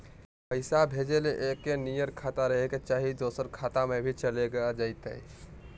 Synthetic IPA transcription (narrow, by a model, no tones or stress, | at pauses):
pəɪsabʱeːd͡ʒeleʔekːenijəɾkʰaːt̪aɾəɦeket͡ʃaːɦid̪oːsəɾkʰaːt̪amẽbʱit͡ʃəleɡəad͡ʒaːɪt̪ɦə̰i